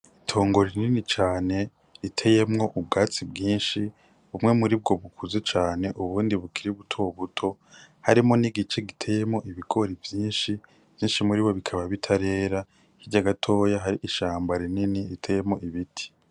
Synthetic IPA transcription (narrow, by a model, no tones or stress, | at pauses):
itʰo̞ːŋɡo̞ɾininit͡ʃaːne̞ | itʰe̞je̞mŋo̞ʔub̚ɡaːt͡sibɡiːnʃi | βumŋe̞muɾib̚ɡo̞βukʰuzet͡ʃaːne̞ʔuβuːndiβukiɾiβutʰoβutʰo̞ | haɾimo̞niɡit͡ʃe̞ɡitʰe̞je̞mŋo̞ʔiβiɡo̞ɾivjiːnʃi | v̥jiːnʃimuɾiβo̞βikʰaβaβitʰaɾe̞ːɾa | hiɟaɡatʰo̞ːjaɦaɾiʔiʃaːmbaɾininiitʰeje̞mo̞ʔiβitʰi̥